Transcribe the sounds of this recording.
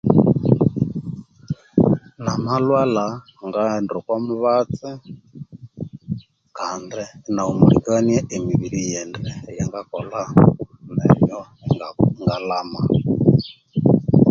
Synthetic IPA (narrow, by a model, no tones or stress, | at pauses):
namalwala | ŋɡaɛndɔkwamuβat͡sɛ | kandɛnaumuɾḭkaniaʔemiβiɾijɛndɛjɛŋɡakɔlanɛ̰mɔ | ŋɡalama